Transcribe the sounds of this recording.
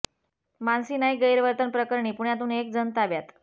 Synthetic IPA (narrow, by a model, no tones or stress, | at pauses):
mansiːnaiɡəjɾʋəɾt̪ənpɾəkəɾɳiːpuɳjat̪̬uːnek̚d͡zənt̪aʋjat̪